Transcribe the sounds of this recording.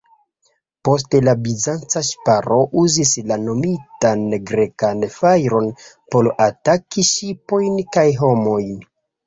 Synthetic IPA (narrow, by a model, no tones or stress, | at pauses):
po̞s̬telabizant͡saʃpaɾo̞ʔuzislano̞mitanɡɾe̞kanfajɾo̞n | polatakiʃipo̞jnkajɦo̞mo̞jn